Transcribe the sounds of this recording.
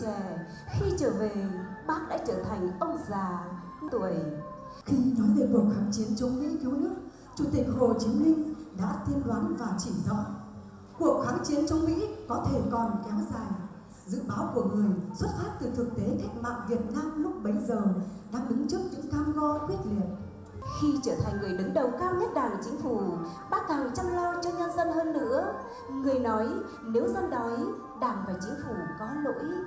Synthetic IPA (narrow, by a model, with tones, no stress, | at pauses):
e˧˩ | xi˧t͡ɕəː˧˩ve˨˩ɓaː˦˥k̚ɗa̰ː˧˥t͡ɕəː˧˩t̪ʰa˨˩jŋ̟ʔə˧wŋ͡mzaː˨˩ | t̪u˧˩˨ə˨j | xi˧nɔ˨˦jve˨˩ku˨˩ək̚xaː˨˦ŋt͡ɕi˨˦ənt͡ɕɔ˨˦wŋ͡mmḭ˧˥ki˨˦nɨ˦˥ək̚ | t͡ɕu˧˩t̪ï˨˩k̟̚ho˨˩t͡ɕi˨˦mï˧ŋ̟ɗa̰ː˧˥t̪ʰi˧ənlwaː˨˦nvaː˨˩t͡ɕi˧˩zɔ̰˧˥ | ku˨˩ək̚xaː˨˦ŋt͡ɕi˨˦ənt͡ɕɔ˧wŋ͡mmḭ˧˥kɔ˨˦t̪ʰe˧˩kɔ˨˩nkɛ˨˦wzaː˨˩j | zɨ̰˧˥ɓaː˨˦wku˧˩əŋɨ˨˩əjswə˦˥t̚faː˦˥t̚t̪ɨ˨˩t̪ʰɨ˨˩k̚t̪e˨˦ka˦˥jk̟̚ma̰ː˧˨ŋvi˨˩ət̚naː˧mlʊ˦˥k͡p̚ɓə˨˦jzəː˨˩ɗaː˧ŋɗɨ˨˦ŋt͡ɕɨ˦˥ək̚ɲɨ̰˧˥ŋt̪ʰaː˧mɣɔ˧kwi˦˥ət̚li˨˩ət̚ | xi˧t͡ɕəː˧˩t̪ʰa˨˩ŋ̟ŋɨ˨˩əjɗɨ˨˦ŋɗə˨˩wkaː˧wɲə˦˥t̚ɗaː˧˩n˨˩t͡ɕï˨˦ŋ̟fu˧˩ | ɓaː˦˥kaː˨˩wt͡ɕa˧mlɔ˧t͡ɕɔ˧ɲə˧nzə˧nhəː˧nːɨ̰˧˥ə | ŋɨ˨˩əjnɔ˨˦j | ne˨˦wzə˧nɗɔ˨˦j | ɗaː˧˩mvaː˨˩t͡ɕï˨˦ŋ̟fu˧˩kɔ˨˦ha˧nno̰˧˥˨j